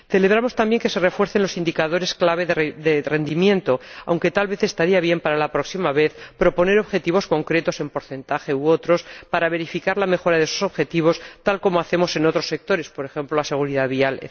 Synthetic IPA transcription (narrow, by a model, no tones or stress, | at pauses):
θe̞le̞β̞ɾamo̞st̪ambje̞ŋke̞se̞re̞fwe̞ɾθe̞nlo̞sind̪ikaðo̞ɾe̞sklaβ̞e̞ððere̞nd̪imjẽ̞nt̪o̞a̰wŋke̞t̪alβe̞θe̞st̪aɾiaβje̞mpaɾalapɾo̞ksimaβ̞e̞θpɾo̞po̞ne̞ɾo̞βxe̞t̪iβo̞sko̞ŋkɾe̞t̪o̞se̞mpo̞ɾθe̞nt̪axe̞uo̞t̪ɾo̞spaɾaβe̞ɾifikaɾlame̞xo̞ɾaðesoso̞βxe̞t̪iβ̞o̞st̪alko̞moaθe̞mo̞se̞no̞t̪ɾo̞sːe̞k̚t̪o̞ɾe̞spo̞ɾe̞xe̞mploase̞ɣ̞uɾiðaðβialḛ